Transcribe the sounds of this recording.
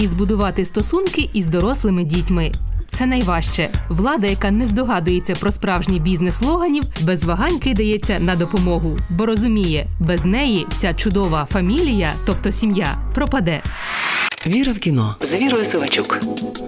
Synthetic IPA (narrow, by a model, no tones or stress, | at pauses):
izbʊd̪ʊʋɑt̪ɪst̪ɔsunkɪʔizd̪ɔɾɔslˠɪmɪdʲitʲmɪt̪sɛnɐjʋɑʃt͡ʃɛʋlˠɑd̪ɐjɐkɑnɛzd̪ɔɦɑd̪ʊjet͡sʲːɐpɾɔspɾɑwʒnʲibʲiznɛslˠɔɦɐnʲiwbɛzʋɐɦɑnʲkɪd̪ɐjɛt͡sʲːɐnɐd̪ɔpɔmɔɦʊbɔɾɔzʊmʲijɛbɛznɛjit͡sʲat͡ʃʊd̪ɔʋɐfɐmʲilʲijɐt̪ɔp̚t̪ɔsʲimja̰pɾɔpɐd̪ɛ | ʋʲiɾɐwkʲinɔzʋʲiɾɔjʊsɪʋɐt͡ʃʲuk